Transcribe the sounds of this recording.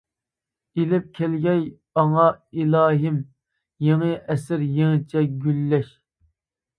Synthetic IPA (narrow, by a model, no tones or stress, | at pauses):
ilɪp̚kʲʰɛlɡʲɛj | ɑŋɑilɑːɦɪm | jeŋəʔɛsɪɾjeŋɨt͡ʃʰɛɡʲylːɛʃ